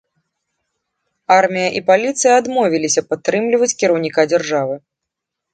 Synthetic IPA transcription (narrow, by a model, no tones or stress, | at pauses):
armʲijɐʔipalʲit̪sɨjɐad̪mɔvʲilʲisʲɐpat̪ːɾɨmlʲivɐt͡sʲkʲiɾɐwnʲikad͡zʲɛrʐavɨ